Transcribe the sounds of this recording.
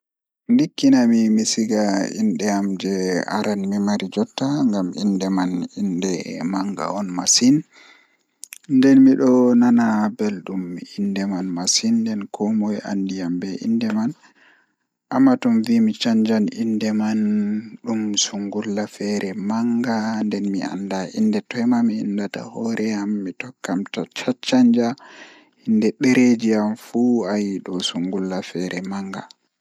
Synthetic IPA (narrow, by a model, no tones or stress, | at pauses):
ndikːinamimisiɡaḭnɗɛamd͡ʒɛa̰ɾanmimaɾid͡ʒɔtːaŋɡamḭndɛmanindɛmaŋɡa̰ɔnmasin | ndɛnmiɗɔnanabɛlɗumːiindɛmanmasindɛnkʰɔmɔjʔa̰ndijambɛʔḭndɛman | ʔamːatɔmvimit͡ʃaɲd͡ʒanindɛmanɗumsuŋɡulːafɛɾʔɛmaŋɡandɛnmḭa̰ndaʔindɛtɔjmamiḭndata̰hɔɾʔɛjamːitɔkːamtat͡ʃat͡ʃaɲd͡ʒa | indɛɗeɾed͡ʒiamfuajiɗɔsuŋɡulːafɛɾʔɛmaŋɡa̰